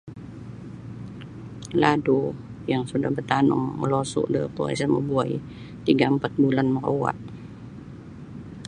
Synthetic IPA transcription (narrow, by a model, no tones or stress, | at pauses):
ladu | jaŋsudahbərt̪anʊ̰ŋmə̰losʊ̰ʔdəpua̰samə̰buaj | t̪iŋɡaəmpat̪̚bulanmərowa̰t̪̚